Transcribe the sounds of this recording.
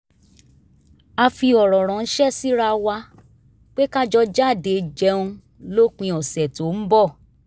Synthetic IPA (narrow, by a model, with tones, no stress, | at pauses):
a˧fi˧ɔ˨ɾɔ˨ɾ̃ɔ̃˨ñ̩˦ʃɛ˦˨si˦ɾa˧wa˧ | k͡pe˦ka˦d͡ʒɔ˧d͡ʒa˦˨de˨˧˨d͡ʒɛ˧˦ũ˧ | lo˦k͡pĩ˧ɔ˨sɛ˨to˨˦m̩˦bɔ˦˨